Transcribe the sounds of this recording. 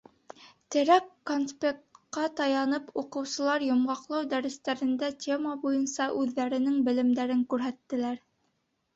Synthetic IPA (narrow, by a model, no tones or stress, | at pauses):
t̪ɘ̆ɾækːonspʲekqːɑt̪ɑjɑnɤpuqɤ̆wsɤ̆lˠɑɾjŏmʁɑqlˠɑwd̪æɾɘ̆st̪æɾɘ̆nd̪ætʲʰemabujɤnsɑʔʉðːæɾɘ̆nɘŋbɘ̆lɘ̆md̪æɾɘŋkʉɾɦæt̪ːɘ̆læɾ